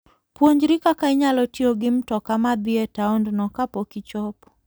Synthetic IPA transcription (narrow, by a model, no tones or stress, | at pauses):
pwoɲd͡ʒɾikakaɪɲalɔtioɡɪm̩tɔkamad̪ɪetaɔndnɔkapokit͡ʃɔp